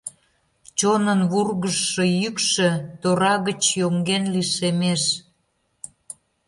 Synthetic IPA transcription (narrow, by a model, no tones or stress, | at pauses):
t͡ɕonənβurɣəʃːə̆jykʃĕt̪oɾɑɣət͡ɕjoŋɡenliʃemeʃ